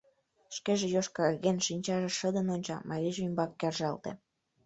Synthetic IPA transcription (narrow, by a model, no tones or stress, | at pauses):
ʃkeʒĕjoʃkɑɣenʃinʲt͡ɕɑʒĕʃəd̪ənonʲt͡ɕɑ̰mʔɑɾʲiʒymbɑkːerʒɑlt̪ḛ̆